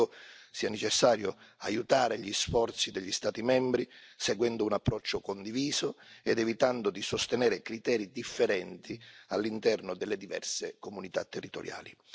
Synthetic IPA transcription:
ʊsiːanet͡ʃɛsːaːɾjʊa̰jut̪aːɾeʎisfɔrt̪sid̪ɛʎːist̪aːt̪imɛmbɾiseɡwɛnd̪ʊunapːɾɔt͡ʃːʊkond̪iviːzʊɛd̪ɛvit̪and̪ʊd̪isʊst̪enɛːɾɪkɾit̪ɛːɾid̪ifːeɾɛnt̪ialːint̪ɛrnʊd̪ɛlːed̪ivɛ̰rsekomunit̪a̰t̪ːɛrːit̪o̰ɾja̰ːli

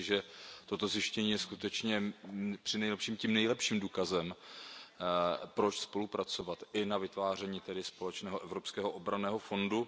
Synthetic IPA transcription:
ʒɛt̪o̞t̪o̞zjɪʃcɛɲiːjɛskut̪ɛt͡ʃɲɛpr̥ɪnɛjlɛpʃiːmcimnɛjlɛpʃiːmduːkazɛm | pɾo̞t͡ʃspo̞lupɾat͡so̞vat̪ʔɪnavɪt̪vaːr̝ɛɲiːt̪ɛdɪspo̞lɛt͡ʃnɛːɦoʔɛvɾopskɛːɦoʔobɾanɛːɦo̞fo̞ndu

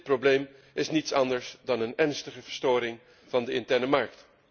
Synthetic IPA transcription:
t̚problejm | ɪsnitsɑndəɹsdɑnənɛɹnstəχəvəɹstoːɾɪŋ | v̥ɑndəɪntɛɹnəmɑɹk̚t

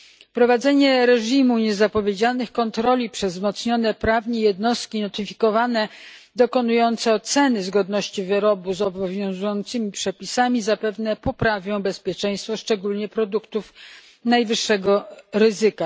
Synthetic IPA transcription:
pɾɔvad̪zɛɲɛɾɛʐimuɲɛzapɔvʲjed͡ʑalnɘxkɔnt̪ɾɔlʲipʂɛzzmɔt̪sɲɔnɛpɾavɲɛjɛd̪nɔst̪̚kʲinɔt̪ɘfʲikɔvanɛd̪ɔkɔnujɔnt̪sɛɔt̪sɛnɘzɡɔd̪nɔɕt͡ɕivɘɾɔbuzɔbɔvʲjɔ̃w̃zujɔnt̪sɘmʲipʂɛpʲisamʲizapɛvnɛpɔpɾavʲjɔ̃w̃bɛspʲjɛt͡ʂɛ̃j̃st̪fɔʂt͡ʂɛɡulɲɛpɾɔd̪ukt̪uf | najvɘʂːɛɡɔɾɘzɘka

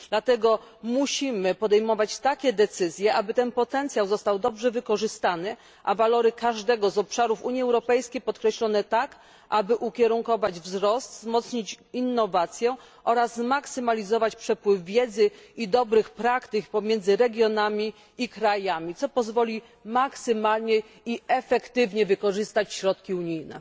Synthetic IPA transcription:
d̪̥lat̪ɛɡɔ | muɕimɘpɔd̪ɛjmɔvat͡ɕt̪akʲɛd̪ɛt̪sɘzʲjɛʔabɘt̪ɛnpɔt̪ɛnt̪sʲjawzɔst̪awd̪ɔbʐɛvɘkɔʐɘst̪anɘ | ʔavalɔɾɘkaʐd̪ɛɡɔzɔpʂaɾufuɲjiɛwɾɔpɛjskʲejpɔt̪kɾɛɕlɔnɛt̪ak | ʔabɘʔukʲɛɾuŋkɔvad͡ʑvzɾɔst̪zmɔt̪sɲit͡ɕinːɔvat̪sʲjɛ | ʔɔɾazzmaksɘmalʲizɔvat͡ɕpʂɛpwɘvvʲjɛd̪zɘid̪ɔbɾɘxpɾakt̪ɘkpɔmʲjɛnd̪zɘɾɛɡʲjɔnamʲi | ikɾajamʲit̪sɔpɔzvɔlʲi | maksɘmalɲɛ | iɛfɛkt̪ɘvɲɛvɘkɔʐɘst̪at͡ɕɕɾɔt̪kʲiuɲijnɛ̰

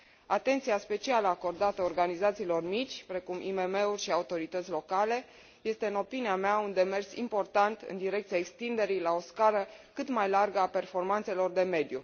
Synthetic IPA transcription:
at̪ent̪sijaspe̞t͡ʃialəako̞rd̪at̪əorɡanizat̪siːlo̞rmit͡ʃʲpɾe̞kumḭme̞me̞urʲʃiaut̪o̞ɾit̪ət̪sʲlo̞kale̞ | je̞st̪e̞ɨno̞piniameaund̪e̞me̞rsḭmpo̞rt̪ant̪ɨ̰nd̪iɾe̞k̚t̪siaekst̪ind̪e̞ɾijlao̞skaləkɨt̪majlarɡəape̞rfo̞rmant̪se̞lo̞rd̪e̞me̞d̪ju

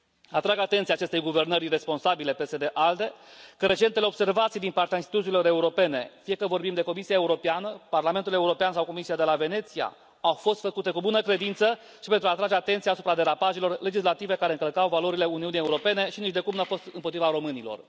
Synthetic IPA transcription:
at̪ɾaɡat̪e̞nt̪siaːt͡ʃe̞st̪e̞jɡuve̞rnəɾre̞spo̞nsabile̞pe̞se̞d̪e̞ʔald̪e̞kəɾe̞t͡ʃe̞nt̪eleo̞bse̞rvat̪sijd̪inpart̪eainst̪it̪ut̪silo̞ɾeuɾo̞pe̞ne̞fijekəvo̞rbimd̪e̞ko̞misiaeuɾo̞peanəparlame̞nt̪ule̞uɾo̞peansawko̞misiad̪e̞lave̞ne̞t̪sija̰ | awfo̞st̪fəkut̪e̞kubunəkɾe̞d̪int̪sə | ʃipent̪ɾuaːt̪ɾad͡ʒe̞at̪e̞nt̪siaːsu̥pɾad̪e̞ɾapaʒelo̞rle̞d͡ʒis̬lat̪ive̞kaɾeɨŋkəlkawvalo̞ɾile̞uniunije̞uɾo̞pe̞ne̞ʃinit͡ʃd̪e̞kumnuawfo̞st̪ɨnpot̪ɾivaɾo̞mɨnilo̞̰r

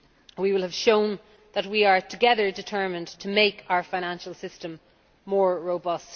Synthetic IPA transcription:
wiwɪlˠəv̥ʃõʊ̃n | ðət̚wiə˞tʰəɡɛðə˞dɪtʰɜ˞mɪ̃ntʰəmeɪkaʊə˞fãɪ̃ñãnʃəl̩ˠsɪstə̃mː | ɔːɹɹoʊbʌst

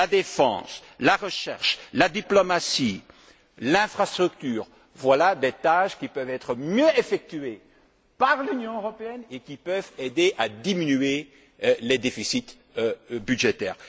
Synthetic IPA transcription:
lad̪efɑ̰̃slaʁəʃɛ̰ʁʃlad̪iplɔmasi | lɛ̃fχast̪χyk̚t̪yːʁ | vwalad̪et̪aʒkʲipœvɛt̪χəmjøefɛk̚t̪ye | paʁlynjɔ̃øʁɔpeɛnekʲipœved̪eʔad̪iminye | lɛd̪efisit̪ | byʒet̪ɛ̰ːʁ

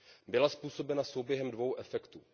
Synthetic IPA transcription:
bɪlaspuːso̞bɛnaso̞wbjɛɦɛmdvo̞wʔɛfɛkt̪u

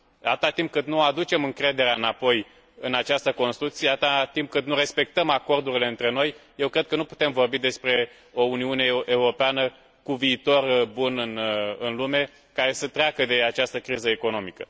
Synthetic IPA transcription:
d̪at̪at̪imp̚kɨt̪nuoad̪ut͡ʃe̞mɨŋkɾe̞d̪e̞ɾeaɨnapo̞j | ɨnat͡ʃast̪əko̞nst̪ɾuk̚t̪sied̪at̪at̪imp̚kɨt̪nuɾe̞spe̞k̚t̪əmako̞rd̪uɾile̞ɨnt̪ɾe̞no̞jje̞wkɾe̞d̪̚kənupu̥t̪e̞mvo̞rbid̪e̞spɾe̞ | o̞uniune̞ʔeuɾo̞peanə | kuviːt̪o̞rbunɨnɨnlume̞ | kaɾe̞sət̪ɾeakəd̪e̞at͡ʃast̪əkɾizəeko̞no̞mikə

